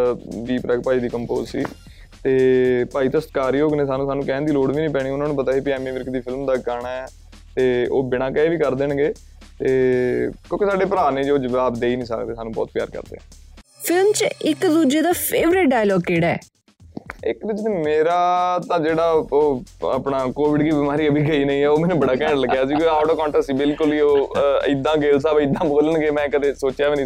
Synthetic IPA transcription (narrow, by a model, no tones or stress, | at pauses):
ʋiːpɾɛːk̚paːiːd̪iːkəmpo̰ːzsḭː | t̪eːpaːiːt̪ãsəɾkaːɾiːoːknẽːsaːnũːsaːnũːkɛ̃ːnd̪iːloːɽʋiːnĩːpɛːɽ̃iːʊnãːnũːp̬ət̪aːɦeːpiɛːmiːʋɪɾkd̪iːpʰɪlmd̪aːkaːɳ̃aːɛ | t̪eːoːbɪɽãːkɛeʋiːkəɾd̪eːɳɡeː | t̪eːkjõːkɪsaːɖeːpəɾaːnẽːd͡ʒoːd͡ʒəʋaːbd̪eːiːnĩːsə̰kd̪eːsaːnũːbɔ̰ːt̪pja̰ːɾkə̰ɾd̪ḛːɛ̰̃ː | pʰɪlmt͡ʃɪkd̪uːd͡ʒeːd̪aːpʰeːʋɾɪʈ̚ɖaːjlɔːɡkeːɽɛ̰ː | ɪkd̪ɪd͡ʒneːmeːɾaːt̪ãːd͡ʒeːɽaːoːə̰pɳaːkoːʋɪɖkiːbɪmaːɾiːəbʱiːɡəiːnəĩːɛːoːmɛːnũːbəɽaːkɛ̃ːɳɖləɡjaːsiːkaːʈoːkɔ̃ːɳʈəsiːbɪlkʊlioːɪd̪ãːɡeːls̬aːbɪd̪ãːboːlənɡeːmɛ̃ːkəd̪eːsoːt͡ʃjaːʋinĩ